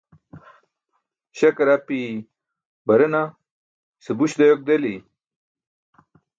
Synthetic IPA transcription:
ɕɐkɐɾapi | bɐɾɐna | sebuɕd̪ɐjok̚d̪eli

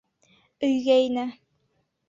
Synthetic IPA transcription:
ɵjɡæjnæ

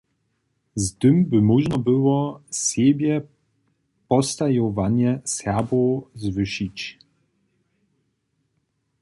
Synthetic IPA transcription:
zt̪ɘmbɘmɔʒnɔbɘwɔsebʲjɛ | pɔst̪ajɔvaɲɛsabɔzvɘʃit͡ɕ

